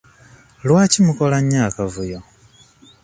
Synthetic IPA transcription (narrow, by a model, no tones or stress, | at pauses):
lwaːcimukolaɲaːkavujo